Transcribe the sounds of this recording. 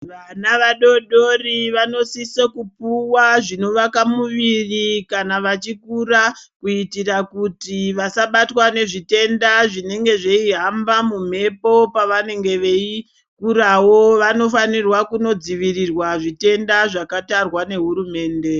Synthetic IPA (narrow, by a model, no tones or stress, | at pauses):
ʋanaʋaɗo̞ɗo̞riʋano̞sisekupuwaʐino̞ʋakamuʋirikanaʋat͡ʃikurakuitirakutiʋasaɓatwane̞ʐite̞ndaʐine̞ŋɡe̞ʐe̞iɦambamum̤e̞po̞paʋane̞ŋɡe̞ʋei | kurawo̞ʋano̞fanirwakuno̞d͡ziʋirirwaʐite̞ndaʐakatarwane̞ɦuɾume̞ːnde̞